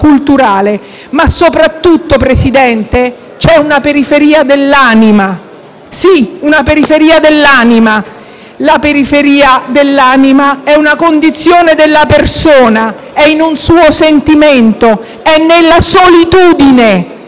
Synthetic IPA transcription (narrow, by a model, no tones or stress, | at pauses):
kult̪uɾaːle | masːopɾat̪ːut̪ːopɾesid̪ɛnt̪e | t͡ʃɛunapeɾifeɾiːad̪elːaːnima | siunapeɾifeɾiːad̪elːaːnima | lapeɾifeɾiːad̪elːaːnimaɛunakond̪it̪sːjoːned̪elːapersoːna | ɛinunsuːosent̪iment̪o | ɛnːelːasolit̪uːd̪ine